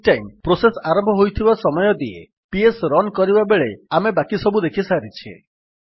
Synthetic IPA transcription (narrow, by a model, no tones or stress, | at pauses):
ʈajmpɾosesaɾɔmbʱɔɦojt̪ʰibasɔmɔjɔd̪iḛ | piesɾɔnkɔɾibabeɭeamebakisɔbud̪ekʰisaɾit͡ʃʰḛ